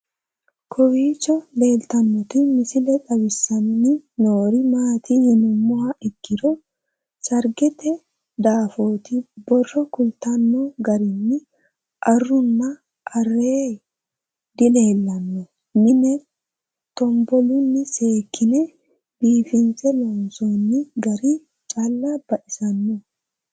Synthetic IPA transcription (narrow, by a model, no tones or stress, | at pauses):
kʰɔwiːt͡ʃːɔle̞ːlt̪ɐnːɔt̪ɪmɪsɪlɛᶑɐbɪsːɐnnɪnoːɾɪmaːt̪ɪhɪnʊmːɔhɐʔɪkːɪd̪ɔ | sɐɾɡɛt̪ɛ | d̪aːfo̞ːt̪ɪbɔrːɔkʊlt̪ɐnːɔɡɐɾɪnːɪ | ʔɐrːʊnːɐ | ʔːrːeː | d̪ɪle̞ːlːɐnːɔ | mɪnɛ | t̪ɔmbɔlʊnːɪse̞ːkʰːɪnɛ | b̥iːfɪnsɛlɔnsoːnːɪɡɐɾi | t͡ʃʼalːab̥ɐʔɪsɐnːɔ